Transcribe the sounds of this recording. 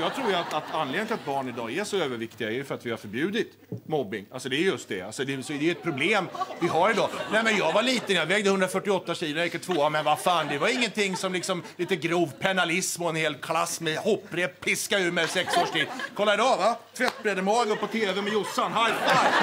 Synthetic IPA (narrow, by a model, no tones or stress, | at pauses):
jɑːt̪ʰɾuːɾjat̪at̪ʰanːleːɡ̪nt̪ɪlat̪̚bɑːɳɪd̪ɑ̰ːæʂɔøːvəɾvɪkt̪ɪɡaɛjɵfœɾat̪vɪhaɾfœɾbjʉ̟ːd̪ɪt̪ | mɔbːɪ̰ŋa̰lsɔd̪ɛæɾjɵst̪̚d̪ɛ̰a̰lsɔd̪ɛsɔd̪ɛɛt̪̚pʰɾʊbleːmvɪɦaɾɪd̪ɑːnɛmɛnjɑːɡvaliːt̪ənjɑvɛːɡd̪əhɵnd̪ɾafœʈːɪɔt̪ːaɕiːlʊɛkːət̪ʰvoːamɛnvafaːnd̪ɛvaɾɪŋːənt̪ʰɪŋːsɔmlɪksɔmliːt̪əɡɾuːvpʰɛnalɪsmɔɛnheːlkʰlasːmɛhɔpːɾɛpʰːɪskaʉ̟ːɾmɛsɛksoːʂʈʰiːd̪kʰɔlːad̪ɔvat̪ʰvɛt̪ːbɾɛd̪əmɑːɡəpʰɔt̪ʰeːvɛmɛjʊsːanɦajaj